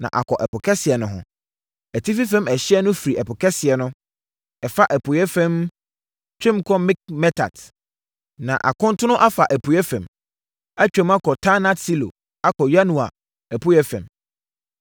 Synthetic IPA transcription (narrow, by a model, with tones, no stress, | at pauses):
nã̰˨ʔa̰˨kʰɔ˨ʔɛ˨pʊ˨kʰɛ˦sɪ˨ɛ˨nʊ̃˨ɦʊ̰̃˨ | æ˨tʰi˦fi˦fɛ̃˦mɛ˨ɕɪ˦ɛ˦nʊ̃˦fi˨ɾi˨ʔɛ˨pʊ˨kʰɛ˦sɪ˨ɛ˨nʊ̃˦ | ɛ˨fa˦ʔæ˨pʰʊ˨jɛ˦fɛ̃˦m | t͡ɕʰᶣɾɪ̃˦mkʰɔ˦mɪ̃˦k̚mɛ˦tʰa̰˨d | nã̰˨ʔa̰˨kʊ̃˦n˦tʰʊ˦nʊ̃˦ʔa˦fa˨ʔæ˨pʰu˨jɛ˦fɛ̃˨m | a˦t͡ɕᶣɛ̃˨ma˦kʰɔ˨tʰa˦nã˦tsi˦lo̰˨ | a˦kʰɔ˨ja˦nũ˨a̰˨ | æ˨pʰʊ˦jɛ˦fɛ̰̃˨m